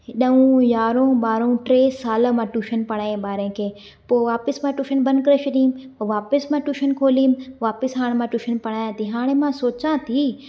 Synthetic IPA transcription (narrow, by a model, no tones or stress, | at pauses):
ɦɪɗəũjaːɾõːɓaːɾõʈɾeːsaːlmãʈuːʃənpɐɽ̃aːẽɓaːɾẽkʰeː | poːʋaːpɪsmãʈuːʃənbɐ̃nkɾeʃʰɐɗĩmpoʋaːpɪsmãʈuːʃənkʰoːlimʋaːpɪsɦaːɽ̃mãʈuːʃənpɐɽ̃aːjãt̪ʰiɦaːɽ̃emãsoːt͡ɕãt̪ʰiː